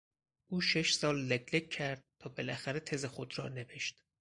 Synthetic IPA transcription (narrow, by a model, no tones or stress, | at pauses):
ʔuːʃeʃsɒːlːæɡlecːʰæɾd̪̥̚t̪ʰɒːbelæxæɾet̪ʰe̞zexod̪ɾɒːneveʃt̪